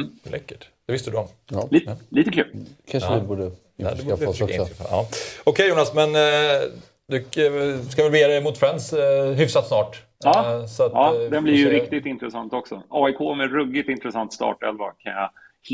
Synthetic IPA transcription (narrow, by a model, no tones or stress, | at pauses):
lɛ̰kːəʈd̪̥ɛvɪst̪əd̪ɵɔm | ɑliliːt̪əkʰʉːlkʰanʂəd̪ɛbuːɖə | ɛd̪ɛɪ̰ɑ̰ːɔkʰɛjuːnasmɛn | d̪ɵskavɛlvɪjɾɛmuːt̪fɾɛnsɦʏfsat̪snɑːʈː | sɔat̪ɑd̪ɛnblɪɾjəɾɪkt̪ɪt̪ɪnt̪ɾɛsant̪ɔksɔɑːɪkʰoːmɛɾɵɡːɪt̪ɪnt̪ɾɛsant̪st̪ɑ̰ːʈɛ̰lvakʰanja